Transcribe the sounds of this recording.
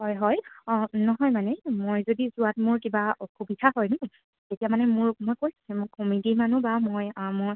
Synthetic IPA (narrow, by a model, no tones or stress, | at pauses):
hɔjɦɔjnɔɦɔjmanɛmojzodizʊatmʊɹkibakʰubitʰaɦɔjnʊ | tetijamanɛmʊɹmojkojsu̥sɛmʊɹkomidimanubamojmoɹ